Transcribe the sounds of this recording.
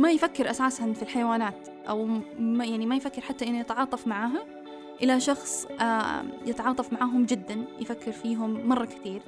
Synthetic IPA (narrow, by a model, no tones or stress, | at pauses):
majfakːɪɾʔasaːshanfilħajwaːnaːt̪ | ʔawmjaʕnimajfakːɪɾħat̪ːaʔɪnːʊjɪt̪ʕɑːt̪ˤɑfmaʕaːɦa | ʔɪlaʃɑxsˤajɪt̪ʕɑːt̪ˤɑfmaʕaːɦʊmd͡ʒɪd̪ːanjɪfakːɪɾfiːɦʊmːɑrˤːɑkɪ̥t̪iːɾ